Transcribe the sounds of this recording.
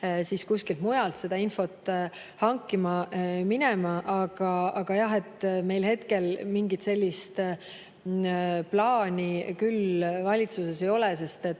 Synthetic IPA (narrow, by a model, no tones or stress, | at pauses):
siskusʲkilt̪mujɑlt̪se̞d̪̥ɑinfo̞t̪ˑ | hɑŋkːˑimɑminemɑʔɑɡ̥ɑɑɡ̥ɑjɑɦe̞t̪me̞jlhe̞t̪ke̞lmiŋɡit̪se̞lʲːist̪ | plɑːnʲikylvɑlʲit̪suse̞se̞jo̞lɛse̞st̪e̞t̪ːˑ